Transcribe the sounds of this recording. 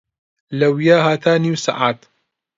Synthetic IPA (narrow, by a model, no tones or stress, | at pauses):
lɐwijaːhaːt̪ʰaːniwsa̰ʔaːt̪